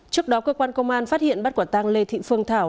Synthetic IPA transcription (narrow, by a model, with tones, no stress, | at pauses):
t͡ɕɨ˦˥ək̚ɗɔ˨˦kəː˧kwaː˧nkə˧wŋ͡mʔaː˧nfaː˦˥t̚hḭ˧˨ənɓt̚ku˧˩t̪aː˧ŋle˧t̪ʰḭ˧˨fɨ˧əŋt̪ʰaː˧˩w